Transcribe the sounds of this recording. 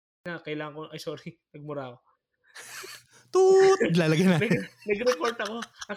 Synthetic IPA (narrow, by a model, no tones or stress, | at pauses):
nakɐʔɪlaːŋɐŋkoʔɐjsoːɾɪnɐɡ̚mʊɾaːko | t̪ut̪d̪laːlɐɡɐjɐnaːɐnɐɡɾɛkoɾt̪ɐko̞ɐ